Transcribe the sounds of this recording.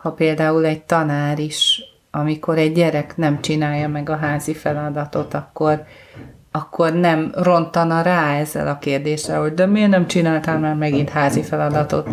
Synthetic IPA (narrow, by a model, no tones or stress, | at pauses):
hɒpeːld̪aːulɛɟ̚t̪ɒnaːɾiʃ | ɒmiko̞ɾɛɟːɛɾɛknɛmt͡ʃinaːjːɒmɛɡɒɦaːzifɛlɒd̪ɒt̪o̞t̪ɒkːo̞r | ɒkʰːo̞rnɛmro̞nt̪ɒnɒɾaːɛzːɛ̰lʔɒkeːrd̪eːʃɛ̰lho̞ɟ̚d̪ømyønɛmt͡ʃinaːlt̪aːlmaːrmɛɡint̪haːzifɛlɒd̪ɒt̪o̞̰t̪